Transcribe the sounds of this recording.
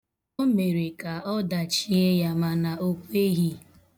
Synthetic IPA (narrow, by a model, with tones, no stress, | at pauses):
o˦me˨ɾe˨ka˨ɔ˦da˨t͡ʃi˦e˦ja˦ma˨na˨o˦kʷe˦ɦi˦